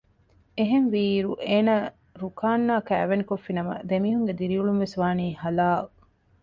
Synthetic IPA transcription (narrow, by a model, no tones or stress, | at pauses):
eɦenʋiːɾuʔeːnaː | ɾukaːnːaːkæːʋenikofːinɐmɐ̰d̪emiːɦuŋɡed̪iɾiuɭumʋesʋaːniːhɐlaː